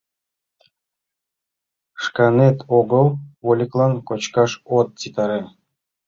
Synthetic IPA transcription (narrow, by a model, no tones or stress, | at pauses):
ʃkɑnet̪ʰoɡəlˠvolʲiklˠɑnkot͡ɕkɑʃot̪̚t͡sit̪ɑɾe